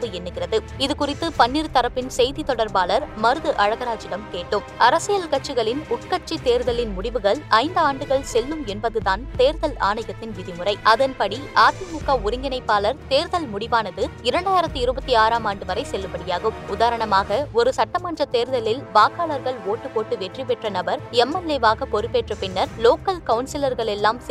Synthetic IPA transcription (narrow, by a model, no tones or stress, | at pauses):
pːɯɛnːɯɣɪrɐðɯ | ɪðɯkʊrɪt̪ːɯpɐnːiɾt̪ɐɾɐpːɪnsɛjðit̪ɔɽɐɾpaːlɐɾmɐɾɯðɯʔɐɻɐɣɐɾaːd͡ʒɪɽɐmkeːʈːɯmɐɾɐsɪjɐlkɐʈt͡ʃːɯɣɐɭɪnʊʈkɐt͡ʃːit̪eːɾðɐlɪnmʊɽɪʋɯɣɐɭɐɪnd̪ɯaːɳɖɯɣɐɭsɛlːɯmɛnbɐðɯðaːnt̪eːɾðɐla̰ːnɐɪɣɐt̪ːɪnʋɪðɪmʊrɐɪʔɐðɐnpɐɽiʔaːt̪imʊkːɐʊɾɪŋɡɪnɐɪpːaːlɐɾt̪eːɾðɐlmʊɽɪʋaːnɐðɯɪɾɐɳɖaːjɪɾɐt̪ːɯɪɾɯbɐt̪ːiaːɾaːmaːɳɖɯʋɐɾɐɪsɛlːɯpɐɽɪjaːɣɯmʊðaːɾɐɳɐmaːɣɐɔɾɯsɐʈːɐmaːnrɐt̪eːɾðɐlɪlʋaːkaːɭɐɾɣɐɭoːʈːɯpoːʈːɯʋɛʈripɛʈrɐnɐbɐɾɛmːɐlːeːʋaːɣɐpɔɾɯpːeːʈrɐpɪnːɐɾloːkɐlkɐʊnsɪlɐɾɣɐɭɛlːaːms